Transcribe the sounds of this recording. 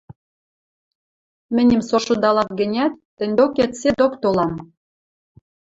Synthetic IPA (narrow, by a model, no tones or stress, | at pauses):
mɘ̆nʲɘ̆msoʃud̪ɑlɑt̪ɡɘ̆nʲæt̪ːɘ̆nʲd̪okæt̪sed̪okt̪olɑm